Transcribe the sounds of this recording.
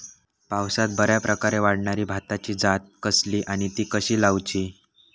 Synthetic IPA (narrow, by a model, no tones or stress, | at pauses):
pawsat̪̚bəɾjapɾəkaɾeʋaɽɳaɾiːbʱat̪at͡ɕiːd͡zat̪̚kəsliːʔaɽ̃it̪iːkəɕiːlawt͡ɕiː